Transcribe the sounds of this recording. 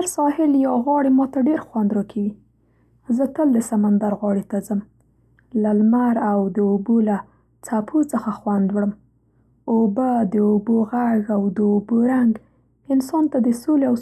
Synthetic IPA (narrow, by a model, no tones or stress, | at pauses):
haɾsɑhɪljɑɣwɑɽemɑt̪aɖeɾxwand̪ɾɑkʰawi | zət̪əld̪əsamand̪aɾɣwɑɽet̪azəm | lalmaɾawd̪əobola | t͡sapʰot͡səxaxwand̪wɽəm | obad̪əoboɣaɡawd̪əoboɾaŋɡ | ɪnsɑnt̪ad̪əsoleaw